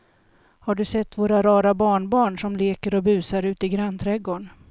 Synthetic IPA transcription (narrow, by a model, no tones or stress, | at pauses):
haɖɵsɛt̪ːvoːɾaɾɑːɾabɑːɳbɑːɳʂɔmleːkəɾɔbʉ̟ːsaɾʉ̟ːt̪ɪɡɾant̪ʰɾɛɡoːɳ